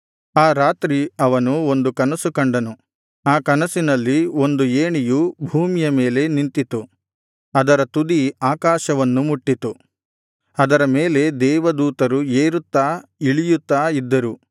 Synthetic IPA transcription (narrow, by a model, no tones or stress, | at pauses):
aːɾaːt̪ɾiɐʋɐnuo̞nd̪ukɐnɐsukɐɳɖɐnu | aːkɐnɐsinɐlːio̞nd̪ueːɳijubʱuːmijɐme̞ːle̞nint̪it̪u | ɐd̪ɐɾɐt̪ud̪iaːkaːʃɐʋɐnːumuʈːit̪u | ɐd̪ɐɾɐmeːle̞d̪ɛːʋɐd̪uːt̪ɐɾueːɾut̪ːaːiɭijut̪ːaːid̪ːɐɾu